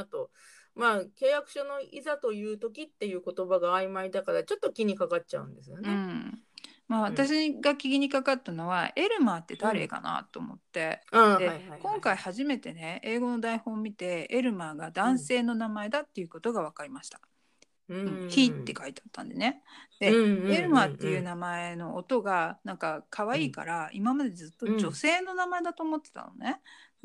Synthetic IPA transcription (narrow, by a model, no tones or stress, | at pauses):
t̪o | maːke̞ːjakɯ̟̥ɕono̞ḭzat̪o̞jɯ̟ːt̪o̞kʲit̪ːe̞jɯ̟ːko̞t̪o̞baɡaːimaid̪akaɾat͡ɕo̞t̪ːo̞kʲiɲ̟ikakatt͡ɕa̰ɯ̟̰̃nd̪e̞sɨjonẽɴ | maːβat̪aɕ̬iɡakʲiɡʲiɲ̟ikakat̪ːano̞βae̞ɾɯ̟maːt̪ːe̞d̪aɾe̞̰ka̰na̰t̪ːo̞̰ːmo̞̰t̪ːe̞aːd̪ekõ̞ŋkaihaʑime̞t̪e̞ne̞eːɡo̞no̞d̪aiho̞ːmʲit̪e̞eɾɯ̟maːɡad̪ãɰ̃se̞ːno̞namae̞d̪at̪ːe̞jɯ̟ko̞t̪o̞ɡaβakaɾʲimaɕi̥t̪ḁ | ɯ̟̃ɴçiːt̪ːe̞kait̪eat̪ːã̰nd̪e̞̰ne̞d̪̥e̞e̞ɾɯ̟maːt̪ːe̞jɯ̟ːnamae̞no̞ʔot̪o̞ɡanãŋkakʰaβaiːka̰ɾaimamad̪e̞d͡zɨt̪ːo̞d͡ʑo̞se̞ːno̞namae̞d̪at̪o̞ːmo̞t̪ːe̥t̪a̰no̞̰ne